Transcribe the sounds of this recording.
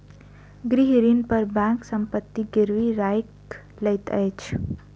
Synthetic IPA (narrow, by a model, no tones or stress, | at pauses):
ɡɾiɦɾinpəɾbɛ̃ːŋksə̃mpət̪ːiɡɪɾʋiɾaːjk | lɐt̪ə̰jt͡ʃʰ